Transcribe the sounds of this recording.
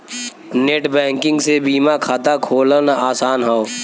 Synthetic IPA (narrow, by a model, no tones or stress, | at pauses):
neːʈbɛ̃ːŋkɪ̃ŋɡsebiːmakʰaːt̪akʰoːlənaːsaːnɦao